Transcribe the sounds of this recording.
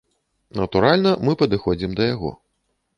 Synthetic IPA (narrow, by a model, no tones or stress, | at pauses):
nɐt̪uɾalʲnɐmɨpɐd̪ɨxɔd͡zʲimd̪ɐjaɣɔ̰